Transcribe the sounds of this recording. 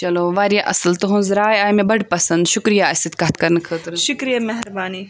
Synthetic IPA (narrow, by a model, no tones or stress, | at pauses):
t͡ʃɐloːʋaːɾjaʔɐsəlt̪ɐɦũnzɾaːjaːjmẽbɐɽpɐsɐ̃nd̪ʃʊkɾijaɐsit̪̚kaːt̪kɐɾnkʰəːt̪ɾnʃʊkɾijamɐɦɾbaːniː